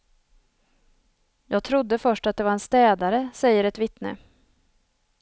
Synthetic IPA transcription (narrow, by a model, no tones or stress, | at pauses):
jɑːɡ̚t̪ʰɾʊd̪ːəfœʂʈat̪̚d̪ɛvaɾɛnst̪ɛːd̪aɾəsɛjːəɾɛt̪vɪt̪nə̰